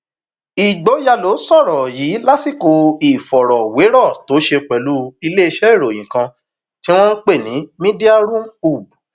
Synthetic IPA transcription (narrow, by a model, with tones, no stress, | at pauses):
i˨ɡ͡bo˨˦ja˧lo˨˦sɔ˦˨ɾɔ˨ji˨˦la˦si˦˨ko˧i˨fɔ˨ɾɔ˨we˨˦ɾɔ˦˨to˨˦ʃe˧k͡pɛ˨lu˨˦i˧le˦i˧ʃɛ˦i˦˨ɾo˨j̃ĩ˨kã˧ | tĩ˦w̃ɔ̃˦k͡pe˦˨nĩ˨˦mĩ˦di˦a˦ɾũ˦u˦˨bu˨